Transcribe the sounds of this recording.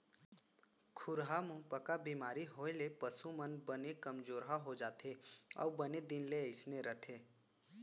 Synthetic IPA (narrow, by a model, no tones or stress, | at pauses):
kʰʊɾɦamʊ̃ɦpəkabiːmaːɾiɦoːelepəsumənbənekəmd͡ʒoːɾɦaɦod͡ʒaːt̪ʰeɔ̰ːbəned̪ɪnleəɪsneɾət̪ʰeː